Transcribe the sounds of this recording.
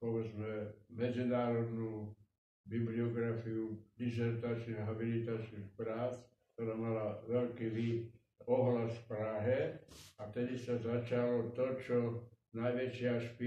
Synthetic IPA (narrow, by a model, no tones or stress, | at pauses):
pɔʋɛd͡zmɛmɛd͡zinaːɾɔd̪nuː | bibliɔɡɾafiudizɛɾt̪at͡ʃniɣɦabilit̪at͡ʃnixpɾaːt͡skt̪oɾaːmalaʋɛlkiːʋi | ɔɦlasfpɾaːɦɛat̪ɛd̪isazat͡ʃalɔt̪ɔt͡ʃɔ | najʋɛt͡ʃɪaʃpi